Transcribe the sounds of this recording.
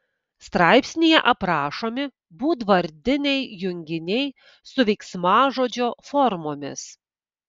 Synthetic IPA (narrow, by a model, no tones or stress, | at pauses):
st̪ɾɑɪpʲsʲnʲijɛ̰ʔɐpɾɑːʃoːmʲɪ | buːd̪ʋɐɾʲd̪ʲɪnʲɛɪjʊŋʲɡʲɪnʲɛɪ | sʊʋʲɛɪksmɑːʒoːd͡ʒʲoːfɔɾmoːmʲɪ̰s